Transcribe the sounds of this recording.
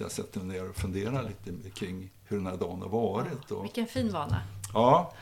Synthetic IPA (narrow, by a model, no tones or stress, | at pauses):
ja̰sɛt̪ːəmneːɾɔfɵnd̪eːɾaliːt̪əkʰɾɪŋːhɵɖɛnhæɖɑːnha̰ɾvɑːɾɪt̪ʰːɔ̰ɪkːənfiːnvɑːna̰ɑː